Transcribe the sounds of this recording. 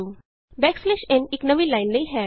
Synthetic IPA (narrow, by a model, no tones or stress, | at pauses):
u | bɛkslɛɕeniknəʋiːlajnləjɦɛ